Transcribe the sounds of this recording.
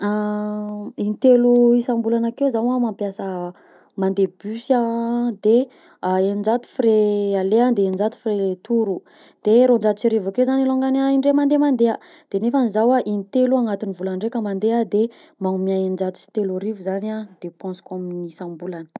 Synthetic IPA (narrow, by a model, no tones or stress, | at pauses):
a | init̪eluisãmbulanakewzawamampjasə | mand̪ebysad̪e | aenind͡ʒat̪u̥fiɾealeand̪eenind͡ʒat̪u̥firet̪uɾu | d̪̥eɾond͡ʒat̪ut͡siɾivakewzaniloŋɡanaiɳɖ͡ʐemand̪emand̪eə | d̪̥enefanizawaʔinit̪eluaŋat̪inivulaɳɖ͡ʐekəmand̪ead̪e | maŋmiaenind͡ʒat̪u̥t͡si̥t̪elurivuzanad̪̥epɔ̃skaminisãmbulanə̥